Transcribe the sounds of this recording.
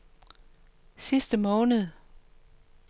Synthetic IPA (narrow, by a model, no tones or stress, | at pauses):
sisd̥əmɔ̽ːnəð̞̩ˠ